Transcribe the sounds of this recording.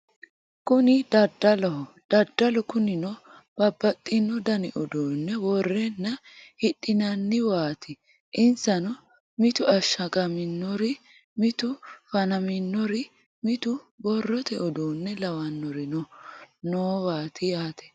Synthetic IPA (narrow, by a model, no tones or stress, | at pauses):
kʊnɪd̪̥ɐd̪ːɐlɔhɔ | d̪̥ɐd̪ːɐlɔkʊnɪnɔ | b̥ɐbːɐt̪ʼːɪnːɔd̪ɐnɪʔɔd̪oːnːɛwɔrːɛnːɐ | hɪɗːɪnɐnːɪwaːt̪ɪ | ʔɪnsɐnɔ | mɪt̪ʊɐʃːɐkʼɐmɪnːɔɾɪ | mɪt̪ʊfɐnɐmɪnːɔɾɪ | mɪt̪ʊbɔrːɔt̪ɛʔɔd̪oːnːɛlɐwɐnːɔɾɪnɔnoːwaːt̪ɪjaːt̪ɛ̥